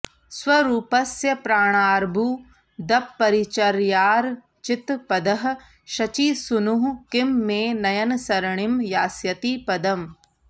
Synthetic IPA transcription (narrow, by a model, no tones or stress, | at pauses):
swɐɾuːpɐsjɐpɾaːɳ̃aːɾbʱu | d̪ɐpːɐɾit͡ʃɐɾjaːɾ | t͡ʃɪt̪pɐd̪ɐɦɐ̆ | ʃɐt͡ʃiːsunuɦkɪmːẽːnɐjɐnsɐɾɐɳimjaːsjɐt̪iːpɐd̪ɐm